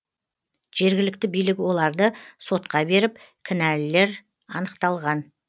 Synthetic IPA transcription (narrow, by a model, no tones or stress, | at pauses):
ʒ̥e̞ɾɡʲɪlɪk̚t̪ɪbijlɪkwo̞lˠɑɾd̪əso̞t̪qɑbe̞ɾɪp̚ | kʲʰɪnælɪle̞ɾ | ɑnəqt̪ɑlˠʁɑn